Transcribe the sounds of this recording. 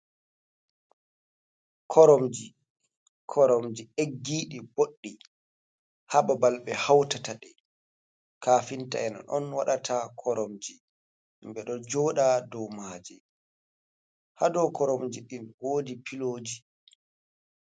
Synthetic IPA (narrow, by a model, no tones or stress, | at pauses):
kʰɔɾɔmd͡ʒi | kʰɔɾɔmd͡ʒieɡːiːɗiboɗːi | hababalɓɛhawtataɗɛ | kaːfinta̰ɛnɔ̰nʔɔ̰nwaɗatʰakʰɔɾɔmd͡ʒi | mbɛɗɔd͡ʒɔɗadɔwmaːd͡ʒɛ | hadɔkɔɾomd͡ʒiɗinwoːdipiloːd͡ʒi